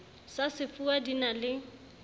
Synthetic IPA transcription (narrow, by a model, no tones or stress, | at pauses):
sasɪfuadinalɪ